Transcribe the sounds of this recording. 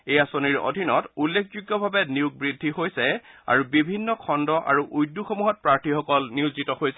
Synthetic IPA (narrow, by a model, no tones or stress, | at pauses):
ejasoniɹo̰dʱinɔtulːekʰzuɡːɔbʱabɛniuk̚bɹidʱːihojsɛa̰ɹubibʱinːɔkʰɔndɔʔa̰ɹuʔujdːuxomuɦɔt̚pɹaɹtʰixɔkɔlniuzitɔhojsɛ